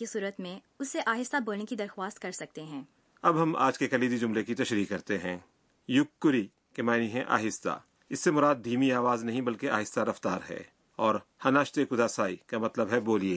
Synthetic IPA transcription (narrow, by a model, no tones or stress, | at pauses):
isuːɾət̪mẽ | ʊsːeʔaːɦɪst̪aboːlnekid̪ɐɾxwaːst̪kɐɾsɐk̚t̪eɦɛ̃ː | ɐbɦɐma̰ːd͡ʒkekɐliːd̪id͡ʒʊmlekit̪ɐʃɾiːkːɐɾt̪eɦɛ̰̃ː | jʊkːʊɾi | kemaːniɦɛ̃ʔa̰ːɦɪst̪a̰ | ɪsːemʊɾaːd̪̚ːiːmiaːʋaːznɐɦĩbɐlkeaːɦɪst̪aɾɐft̪aːɾɦɛ̰ː | ɔːɾhɐnaːʃt̪ekʊd̪aːsaːikamɐt̪ləbɦɛboːlieː